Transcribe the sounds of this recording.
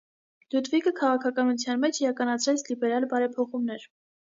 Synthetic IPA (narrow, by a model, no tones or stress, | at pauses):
lut̪vikəkʰɑʁɑkʰɑkɑnut͡sʰjɑnmɛt͡ʃʰiɾɑkɑnɑt͡sʰɾɛt͡sʰlibɛɾɑlbɑɾɛpʰɔχumnɛɾ